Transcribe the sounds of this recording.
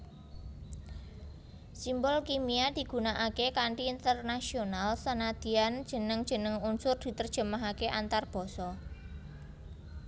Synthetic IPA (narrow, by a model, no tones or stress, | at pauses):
simbɔlkimiad̪̥i̤ɡ̥ṳnaʔakekaɳʈiːnt̪ərnasionalsanad̪̥i̤and̥ʒ̥ə̤nəŋd̥ʒ̥ə̤nəŋunsʊrd̪̥i̤t̪ərd̥ʒ̥ə̤maɦakeʔant̪arb̥ɔ̤sɔ